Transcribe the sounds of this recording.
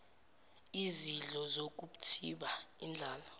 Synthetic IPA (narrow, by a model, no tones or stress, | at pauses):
iziɮɔzok̬ʼuɓu̥tʰiɓaind͡ɮʱaːlɔ